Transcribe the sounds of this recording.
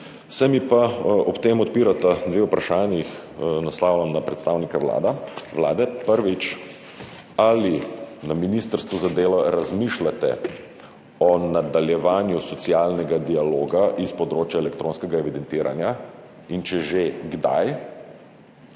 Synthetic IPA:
samipaɔpt̪emɔt̪̚piːɾat̪ad̪ʋeupɾaʃaːnjix | naslaːwlamnapɾɛt̪st̪awnikaʋla̰ːd̪aʋla̰ːd̪ɛpəɾʋit͡ʃ | alinaminist̪əɾst̪ʋuzad̪eːlɔɾazmiʃlat̪ɛ̰ | ɔnad̪aljɛʋaːnjusɔt̪siaːlnɛɡad̪ialoːɡaʔispɔd̪ɾoːt͡ʃjaɛlɛkt̪ɾʔoːnskɛɡaɛʋid̪ɛnt̪iːɾʔa̰nja | int͡ʃɛʒeɡd̪a̰j

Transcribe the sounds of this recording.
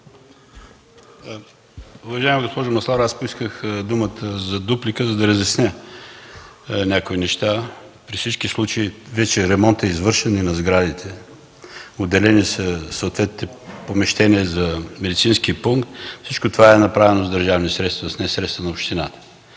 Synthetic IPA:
uvɐʒaɛmiɡospɔʒəmɐslˠaɾaspoiskəxd̪umət̪əzɐd̪uplikəzɐd̪ɐɾəzɛsnʲɛ | nʲakoinɛʃt̪a | pɾifsit͡ʃkislˠut͡ʃəivɛt͡ʃɛɾɛmɔnt̪ɛizvɤɾʃɛninɐzɡɾad̪it̪ʰɛ | od̪ːɛlɛnisəsəʊt̪vɛt̪nit̪ɛpomɛʃt̪ɛniɛzɐmɛd̪it̪sinskiəpuŋkt̪fsit͡ʃkot̪ovaɛnɐpɾavɛnozd̪ɐɾʒavnisɾɛt̪st̪vɐsnɛsɾɛt̪st̪ənɐopʃt̪inat̪ə̥

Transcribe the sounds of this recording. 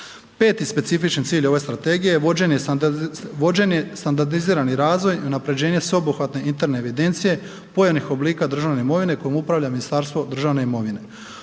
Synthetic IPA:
pe̞ːt̪ispe̞t̪sifit͡ʃant̪siːʎo̞ʋe̞st̪ɾat̪e̞ːɡijeʋod͡ʑe̞ɲe | ʋod͡ʑenest̪and̪aɾd̪iziːɾaniɾaːzʋo̞jiunapɾe̞d͡ʑe̞ːɲe̞sʋeobuxʋat̪ne̞int̪e̞ɾneːʋid̪e̞nt̪sije̞ | pojanixo̞bliːkad̪r̩ʒaʋne̞imo̞ʋine̞ko̞jomupɾaʋʎaminist̪aːɾst̪ʋo̞d̪r̩ʒaʋne̞imo̞ʋine̞

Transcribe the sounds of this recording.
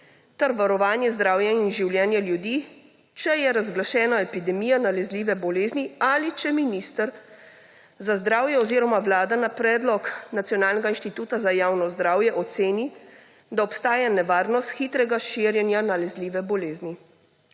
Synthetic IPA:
t̪ɛɾʋaɾɔʋaːnjɛzd̪ɾaːwjainʒiwljɛːnjɛljud̪iː | t͡ʃɛjɛɾazɡlaʃɛːnaɛpid̪ɛmiːjanalɛzliːʋɛbɔleːznialit͡ʃɛminiːst̪əɾ | zazd̪ɾaːwjɛɔziːɾɔmaʋlaːd̪anapɾɛːd̪lɔknat̪sjɔnaːlnɛɡainʃt̪it̪uːt̪azajaːwnɔzd̪ɾaːwjɛʔɔt̪seːni | d̪aɔpst̪aːjanɛʋaːɾnɔst̪xit̪ɾɛɡaʃiːɾjɛnjanalɛzliːʋɛbɔleːzni

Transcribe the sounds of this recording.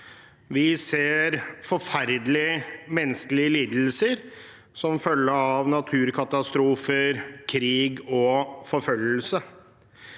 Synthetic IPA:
ʋɪseːɾfɔɾfæɾd̪əlɪəmɛnːəskəlɪəliːd̪l̩səɾ | sɔmfœlːəɾɑʋnɑt̪ʰʉːɾkʰɑt̪ɑst̪ɾuːfəɾkʰɾiːɡɔfɔɾfœlːəlsə

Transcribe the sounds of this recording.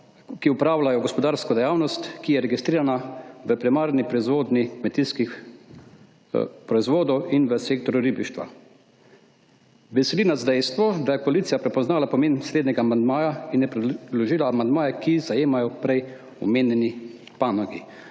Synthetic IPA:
kiupɾaːwlajɔɡɔspɔd̪aːɾskɔd̪ɛjaːwnɔst̪kijɛɾɛɡist̪ɾiːɾanaʋəpɾimaːɾnipɾɔizʋoːd̪nikmɛt̪iskix | pɾɔizʋoːd̪ɔwinʋəseːkt̪ɔɾuɾibiʃt̪ʋa̰ | ʋɛsɛlinazd̪ɛjst̪ʋɔd̪ajɛpɔliːt̪ijapɾɛpɔznaːlapɔmeːnsled̪nʲɛɡaːmand̪maːjainjɛpɾɛd̪d̪lɔʒiːlaːmand̪maːjɛkizajeːmajɔpɾɛj | ɔ̰meːnjɛni | paːnɔɡi

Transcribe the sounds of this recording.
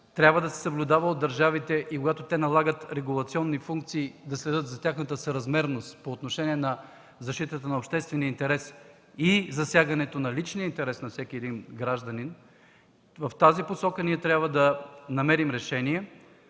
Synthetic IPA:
t̪ɾʲjabvəd̪ɐsɛ̥səblʲʊd̪avəod̪ːɐɾʒavit̪ɛʔikoɡat̪ot̪ɛnɐlˠaɡət̪ɾɛɡulˠɐt̪siɔnːifuŋk̚t̪siːd̪ɐslɛd̪ɤt̪zɐt̪ʲjaxnət̪əsəɾɐzmɛɾnost̪poːt̪noʃɛniɛnɐ | zɐʃt̪it̪ət̪ənɐopʃt̪ɛst̪vɛniəint̪ɛɾɛs | izɐsʲjaɡɐnɛt̪onɐlit͡ʃniəint̪ɛɾɛsnɐfsɛkʲiɛd̪inɡɾaʒd̪ɐnin | vɐft̪aziposɔkəniɛt̪ɾʲabvəd̪ɐnɐmɛɾimɾɛʃɛniɛ

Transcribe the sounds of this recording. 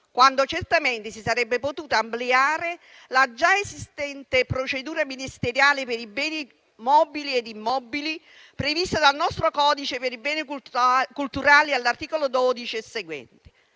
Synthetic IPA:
kwand̪ot͡ʃert̪ament̪ɪsisaɾɛbːepot̪uːt̪aːmpleaːɾe | lad͡ʒaesist̪ɛnt̪epɾot͡ʃed̪uːɾaminist̪eɾjaːlepeɾibɛːni | mɔːbilied̪imːɔbili | pɾevist̪ad̪alnɔst̪ɾokɔːd̪it͡ʃepeɾibɛːnikukult̪uɾaːlialːart̪iːkolod̪ɔːd̪it͡ʃiseɡwɛ̰nt̪e̥

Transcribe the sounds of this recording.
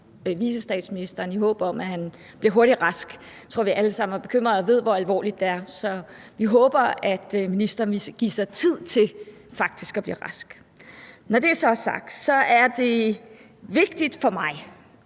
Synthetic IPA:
ʋiːsəsd̥ɛ̰ːd̥sminisd̥ɐːniɦɔ̰ːb̥ɐɒ̽mʔæhæn | b̥liɐɦo̝ɐɾ̥idʁɑsɡ̥ | t͡sʰo̰ʋiʔæləsɑ̈m̰n̩æb̥e̝̥kʰøm̰ʁɐðˠɒʋe̝ð̞̰ˠʋɒælʋɒ̰ːlid̥ːeæɐsɒ̽ʋiɦɔːb̥ɐæd̥minisd̥ɐːniɡ̥ḭsɑ̈ɪt͡sʰið̰ˠt͡sʰe̝lfɑ̈ɡ̥̚d̥isɡ̥ɒb̥lḭːʁɑsɡ̥ | nɒd̥e̝æɐsɒ̽sɑ̈ɡ̥̚d̥sɒ̽ʔæɐd̥e̝ | ʋe̝ɡ̥̚d̥id̥fɒ̽mɑ̈ɪ

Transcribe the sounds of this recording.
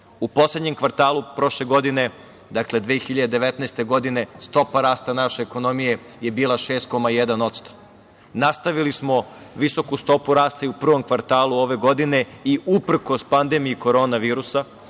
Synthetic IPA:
upo̞sled̪ɲe̞mkʋaɾt̪aːlˠupɾo̞ʃle̞ɡo̞d̪ine̞ | d̪akle̞d̪ʋeːxiʎad̪ed̪e̞ʋet̪nɛːst̪e̞ɡo̞d̪ine̞st̪o̞paɾaːst̪anaʃeːko̞no̞mije̞ | je̞biːlaʃeːst̪̚ko̞majed̪ano̞t̪st̪o̥ | nast̪aʋilismo̞ | ʋiso̞kust̪o̞puɾaːst̪aiupr̩ʋo̞mkʋaɾt̪aːlˠuo̞ʋe̞ɡo̞d̪ine̞iʔupr̩ko̞spand̪e̞mijiko̞ɾo̞ːnaʋiːɾusa

